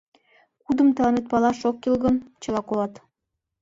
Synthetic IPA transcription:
kud̪ə̆mt̪ə̆lɑnet̪̚pɑlˠɑʃokːilɣə̆nt͡ɕɤ̆lɑkolɑt̪

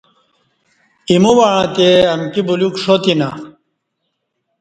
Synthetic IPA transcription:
imuwaɻãt̪eɐmkibulukʂot̪ina

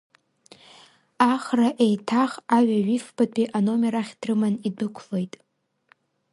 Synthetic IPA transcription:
aχraʔejtʰaχaɥaɥifbatʰʼiʔano̞meɾaχʲdrɨmanidɨkʷʰle̞jtʼ

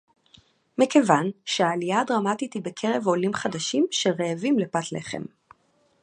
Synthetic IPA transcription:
mekevanʃeaːlijaːdʁamatitibekʰe̞ʁe̞volimχadaʃimʃeʁeːvimle̞patle̞χe̞̰m

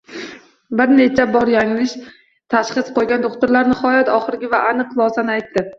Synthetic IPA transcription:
bɪɾnet͡ʃʰabɒɾjaŋɪlɪʃ | t̪ʰaʃχɨsqʰojˠɡʲand̪oχt̪ʊɾlaɾnɪχɒjat̪ɒχɨɾɡʲɪvaʔanɨqlˠɒsanɪajt̪ʰːɪ

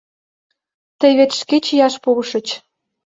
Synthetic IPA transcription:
t̪əjβet̪ʃket͡ɕjɑʃpuʃə̆t͡ɕ

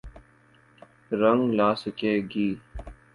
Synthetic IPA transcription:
ɾəŋɡlaːsəkeːɡiː

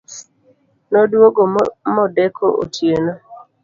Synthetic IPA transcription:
noduoɡomɔdekʰoʔo̰tʰjenɔ

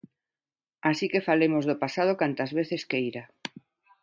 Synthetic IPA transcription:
asikefalemozðopasað̞okant̪ɐzβeθeskeiɾa

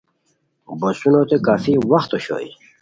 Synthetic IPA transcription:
bosunot̪ekɑːfiwaxt̪oɕo̰i

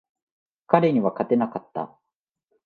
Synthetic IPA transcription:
kaɾe̞ɲ̟iβakat̪e̞nakat̪ːa̰

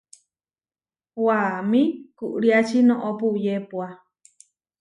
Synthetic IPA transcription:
wamĩkuʔɾiat͡ʃinõʔopujepwa

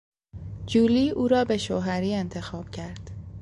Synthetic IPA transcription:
d͡ʒuːliːʔuːɾɒːbe̞ʃoɦæɾiːe̞nt̪ʰe̞xɒːb̥cʰæɾd̪̥

